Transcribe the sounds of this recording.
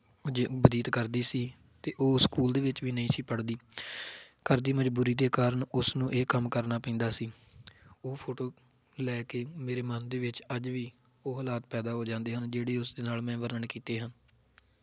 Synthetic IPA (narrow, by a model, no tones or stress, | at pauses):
d͡ʒbəd̪iːt̪kəɾd̪iːsiː | t̪eːʔoːskuːld̪eːʋɪt͡ʃʋiːnəĩːsiːpəɽd̪iː | kəɾd̪iːməd͡ʒbuːɾiːd̪eːkaːɾəɳʊsnũːʔeːkəmkəɾnaːpɛ̃nd̪aːsiː | oːpʰoːʈoː | lɛːkeːmeːɾeːmənd̪eːʋɪt͡ʃəd͡ʒʋiː | oːɦəlaːt̪̚pɛːd̪aːɦoːd͡ʒãːnd̪eːɦənd͡ʒeːɽeːʊsd̪eːnaːlmɛ̃ːʋəɾnəɳkiːt̪eːɦən